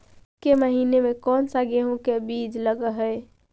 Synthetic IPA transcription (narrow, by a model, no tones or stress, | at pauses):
keməɦinemekɔnsaɡeɦũkebid͡ʒləɡəɦəj